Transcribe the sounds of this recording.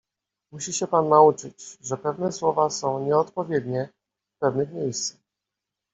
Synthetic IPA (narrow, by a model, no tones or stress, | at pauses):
muɕiɕɛpanːaut͡ʂɘt͡ɕʐɛpɛvnɛswɔvasɔ̃w̃ɲɛɔt̪pɔvʲjɛd̪ɲɛ | fpɛvnɘxmʲjejst̪sa